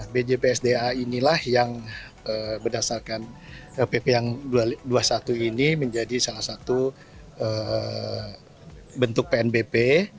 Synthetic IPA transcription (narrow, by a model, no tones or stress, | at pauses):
bed͡ʒepeɛsdeainilahjaŋ | əbədasarkanəpepejaŋduaduasat̪uiniməɲd͡ʒadisalahsat̪u | ə | bənt̪ʊk̚peɛnbepe